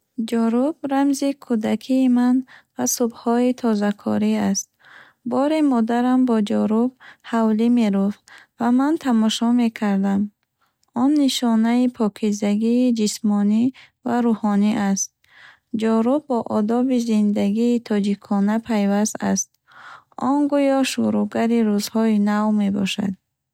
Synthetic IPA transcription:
d͡ʒɔɾubɾamzikʰud̪akʰiːmanvasubhɔit̪ʰɔzakʰɔ̰ɾiast̪̚ | bɔɾimɔd̪aɾambɔd͡ʒɔɾub̚havlime̞ɾufvamant̪ʰamɔʃɔme̞kʰaɾd̪am | ɔnːiʃɔnaipʰɔkʰizaɡiːd͡ʒismɔni | vaɾuhɔniʔast̪̚ | d͡ʒɔɾubːɔʔɔd̪ɔbizind̪aɡiːt̪ʰɔd͡ʒikʰɔnapʰajvast̪a̰st̪̚ | ɔnɡujɔʃuɾuɡaɾiɾuzhɔinavme̞bɔ̰ʃa̰d̪

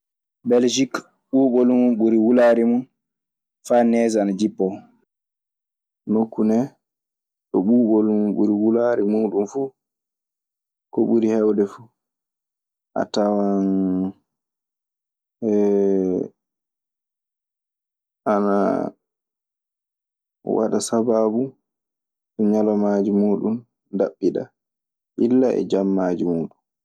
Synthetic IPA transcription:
bɛld͡ʒik | ɓuːɓolumuɓuɾiwulaɾimun | fanɛzanad͡ʒipːɔ | mokːunɛ | ɗɔɓuːɓolumɓṵɾiwulaɾimunɗumfu | kɔɓuɾihɛwdɛfu | ʔa̰tawan | ɛ | ʔana̰ | wa̰ɗasababu | sɔɲalɔmad͡ʒimuːɗun | daɓːiɗa̰ | ʔilːaʔɛ̰d͡ʒamːaːd͡ʒimuːɗun

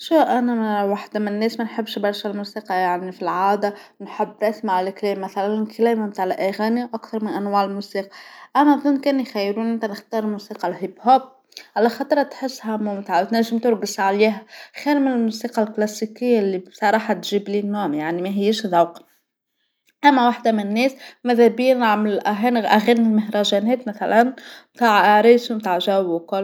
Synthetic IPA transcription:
ʃuʔænæwaħd̪amɪnːɛːsmænħəbːʃbɑɾˤʃalmuːsiːqɑjaʕnifilʕaːd̪awnħɪbːɾˤɑsmaʕalklɛːmːæθælænkʰlɛːmɪmt̪aːʕʔæɣæːnijʔækθɑɾˤmɪnʔænwaːʕɪlmusiːqɑ̥ʔænæʔðˤʊnːkɛːnjxæjːɾuːnʔɪnt̪ænɪxt̪ɑːɾˤlmuːsiːqɑlɦibhoːb̚ | ʕalæxɑt̪ˤɾˤɑt̪ħɪsːhæmʊmt̪aːʕwt̪næʒːɪmt̪ʊɾɡɪsʕaliːɦæxæːnmɪnɪlmuːsiːqɑlklæsikɪjːalːibsˤɑɾˤɑːħɑt̪ʒiːbliːnːuʕmjaʕnimæɦɪjːeːʃðˤɑwq | ʔæmːæwaħd̪æmɪnnːɛːsmæðæbiːnaʕmɪlʔæɦæːnʔæɣæːnɪlmɪhɾɑʒænɛːt̪mæθælænmt̪aːʕʔaɾiːsmt̪aːʕʒæwkɑl

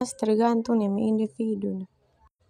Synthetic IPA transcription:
st̪əɾɡant̪unamiʔindifidun

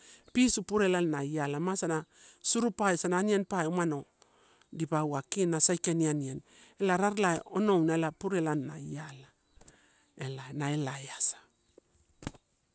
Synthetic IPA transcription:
pisupuɾelannajalamasanasuɾupajsananienpajumano | dipawakinasajkenianien | elaɾaɾlao̰nownaelapuɾelanːa̰jala | elanaelaeasḁ

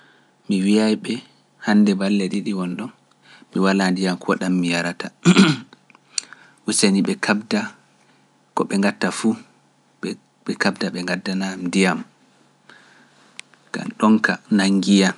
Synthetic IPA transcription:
miwiajɓɛ | handɛbalːɛɗiɗiwɔnɗɔn | miwalandijamkʰɔɗamːijaɾata | wuseniɓɛkʰabda | kɔɓɛŋɡatːafu | ɓɛkabdaɓɛŋɡadːanamndijam | ɡ̥a̰mɗɔŋka̰naŋɡija

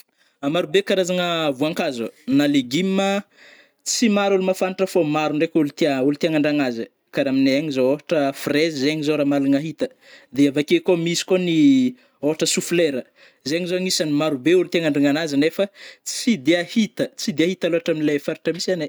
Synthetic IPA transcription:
amaɾubekaɾazaŋəvuaŋkazṵnaleɡimːə | t͡simaɾulumafanʈ͡ʂəfomaɾuɳɖ͡ʐekʲulut̪eaulut̪iaŋaɳɖ͡ʐaŋazə | kaɾamineaŋizooɦaʈ͡ʂəfrezizeɲizoɾamaluŋaɦit̪ə | d̪eavakekomisi̥koni | oɦaʈ͡ʂəsufleɾə | zeŋizoŋisanimaɾubeulut̪iaŋaɳɖ͡ʐiŋanazənefət͡sid̪eahit̪ət͡sid̪eahit̪aloaʈ͡ʂaminilefaɾi̥ʈ͡ʂəmisane

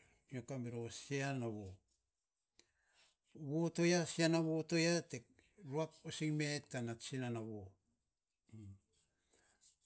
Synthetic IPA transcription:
iokameɾosianaβo | βotojasianaβotojatek | ɾuakosiŋmetːanasinanawo

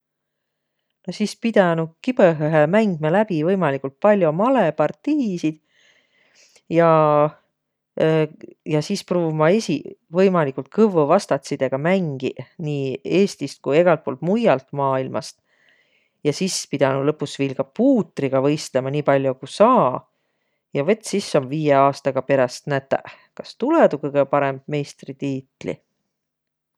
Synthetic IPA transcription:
nosiːspid̪̥ɑnukipeɦøɦemæŋɡ̥̚melæbivɤjmɑlikˑult̪̚pɑlʲjomɑlepɑrt̪ːiːsid̪̥ | jɑ | jɑsiːspruːvumɑe̞sivɤjmɑlikult̪̚kɤvuvɑst̪ɑt̪sid̪̥e̞ɡ̥ɑmæŋɡ̥iniːe̞ːst̪ist̪̚kuje̞ɡ̥ɑlt̪̚po̞ːlt̪mujːɑlt̪mɑːilmɑ̰st̪ | jɑsispid̪̥ɑnulɤpːˑusvilɡ̥ɑpuːt̪ˑriɡ̥ɑvɤ̞jst̪lemɑniːpɑlʲjukusɑː | jɑvɤ̞t̪ːˑsisːo̞mviːjeɑːst̪ɑɡ̥ɑpe̞ɾɑst̪næt̪ːˑæ̰ | kɑ̥st̪ulɛd̪ukɨɡ̥epɑɾemb̥̚me̞jst̪rit̪iːt̪ˑlḭ

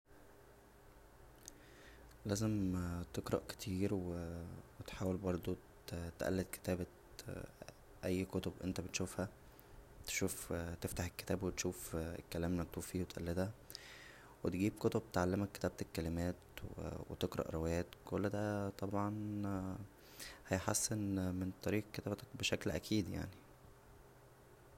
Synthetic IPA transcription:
læːzemt̪eɡɾˤɑ̰ʔke̥t̪ʰiːɾwewet̪ħaːwelbɑɾˤd̪ˤo | t̪ʔæ̰lːed̪̚ke̥t̪æːbæ | ʔæjːkot̪obʔḛnt̪æbet̪ʃuːfhæ | t̪e̥ʃuːft̪eft̪aħekːe̥t̪æːbwet̪ʃuːfḛkːælæːmnæt̪ːuːfiːwet̪ʔæ̰lːed̪hæ | wet̪ɡiːb̚kot̪ob̚t̪ʕalːemækːe̥t̪æːb̚t̪ekːælemæːt̪wḛwḛt̪eɡɾɑ̰ʔɾˤowejæːt̪kolːd̪æt̪ˤɑbʕɑn | hæjħasːenment̪ˤɑɾiːʔkːet̪æːbt̪æ̥kbeʃæklʔæ̰kʰiːd̪ja̰ʕni

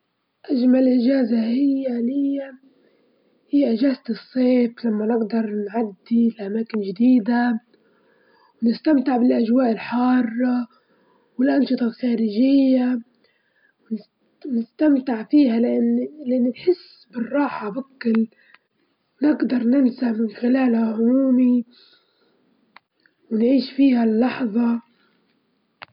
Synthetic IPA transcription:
ʔaʒmalʔɪd͡ʒaːzahɪjːalɪjːa | hɪjːaʔɪʒaːzɨsˤːeːflamːanɪɡd̪ɑɾˤnʕad̪ːilʔamaːkɪnʒɪd̪iːd̪a | wnɪst̪amt̪ɪʕbɪlʔaʒwaːʔɪlħɑːrˤː | wɪlʔɑnʃɨt̪ˤɑlxaːɾɪʒɪjːa | wn | nɪst̪amt̪ɪʕfiːɦalʔanːlɪʔanːinħɪsː | bɪrˤːɑːħabakːɪl | wnɪɡd̪ɑɾˤnɪnsaʕmɪnxɪlaːlhaʕʊmuːmi | wnʕiːʃfiːhalːɑħðˤɑ

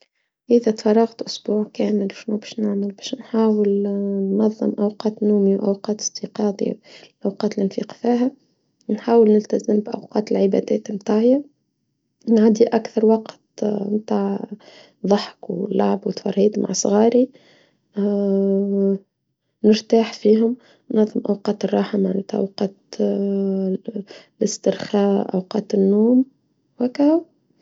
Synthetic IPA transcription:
ʔɪðɛt̪fɑrˤːɑɣt̪ʔʊsbuːʕkæːmɪlwʃnubɛːʃnaʕmɪlbɛːʃnħaːwəlnːɑðˤːɨ̰mʔawqɑːt̪nuːmiwʔawqɑːt̪ə̥st̪iqɑːd̪ˤḭlʔawqɑːt̪lʔɪnfḭːqfiːɦæ | nħaːwəlnɪlt̪azəmbʔa̰wqɑːt̪əlʕɪbæ̰d̪æːt̪mt̪aːʕja | nʕad̪iʔakθɑɾˤwɑqt̪mt̪aːʕ | ðˤɑħkwɪ̰lːaʕbwɪt̪fɑ̰ɾˤːiːd̪ma̰ʕsˤɣɑːɾi | nɪɾt̪aːħfiːɦʊm | nːɑðˤːəmʔawqɑːt̪ərˤːɑħamaʕnɛt̪æʔa̰wqɑːt̪ | lɪst̪ɪɾxæːʔʔa̰wqɑːt̪ɪnːuːm | wækæ

